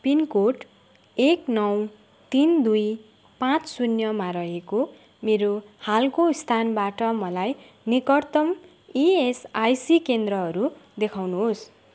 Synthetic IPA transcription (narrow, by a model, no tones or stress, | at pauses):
pinkoʈ | eknʌw | t̪ind̪uj | pãt͡ssunjʌmaɾʌɦeko | meɾohalkoist̪ʰanbaʈʌmʌlaj | nikʌrt̪ʌm | iesajsikend̪rʌɦʌɾud̪ekʰawnuɦos